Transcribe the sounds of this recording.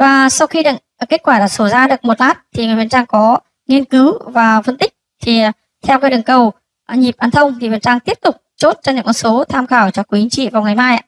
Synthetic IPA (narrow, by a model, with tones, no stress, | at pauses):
vaː˨˩sa˧wxi˧ɗɨ̰˧˨˩ke˦˥t̚kwaː˧˩ɗa̰ː˧˥˩so˧˩zaː˧ɗɨ˨˩ək̚mo˨˩t̚laː˦˥t̚t̪ʰi˨˩ŋɨː˨˩və˨˩nt͡ɕaː˧ŋkɔ˨˦ | ŋi˧ənkɨ˨˦wvaː˨˩fə˧nt̪ï˦˥k̟̚t̪ʰi˨˩ | t̪ʰɛ˧wkaː˨˦jɗɨ˨˩ŋkə˨˩w | ɲi˨˩p̚ʔaː˧nt̪ʰə˧wŋ͡mt̪ʰi˨˩və˨˩nt͡ɕaː˧ŋt̪i˦˥əp̚t̪ʊ˨˩k͡p̚t͡ɕo˦˥t̚t͡ɕɔ˧ɲɨ̰˧˥ŋkɔ˧˩nso˨˦t̪ʰaː˧mxaː˧˩wt͡ɕɔ˧kwu˨˦t͡ɕʰi˨˦ŋt͡ɕḭ˧˨vaː˨˩wŋa˨˩jmaː˧jʔa̰ː˧˨